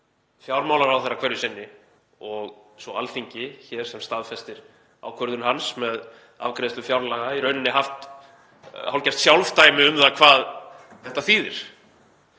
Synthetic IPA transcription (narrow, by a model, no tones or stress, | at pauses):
fjawɾmawlaɾɾawθɛrːakʰvɛɾjʏsɪnːɪ | ɔɣ | sɔa̰lθiɲcɪçɛɾ̥sɛmst̪aðfɛst̪ɪɾ̥ | a̰ːwkʰvœɾðʏnɦansmɛð | a̰vkɾɛːst̪ʏfjawɾlaɣaiɾœɥnɪnːɪɦaft̪ | hawlcast̪sjawlvt̪aːjmɪʏmðakʰvaːð | θɛht̪ːaθiːðɪ̰ɾ̥